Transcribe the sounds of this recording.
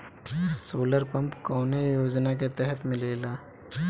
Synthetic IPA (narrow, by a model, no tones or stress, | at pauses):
soːləɾpɐ̃mpkɔːnejoːd͡ʒnak̬et̪ɛɦət̪mɪ̃leːlaː